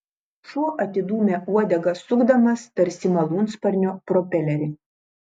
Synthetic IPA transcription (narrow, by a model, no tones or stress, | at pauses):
ʃuɔʔɐt̪ʲɪd̪uːmʲeʔuɔd̪ʲɛɡɐsʊɡd̪ɐmɐst̪ɐɾʲsʲɪmɐlˠuːnspɐɾʲnʲoːpɾɔpʲɛlʲɛɾʲɪ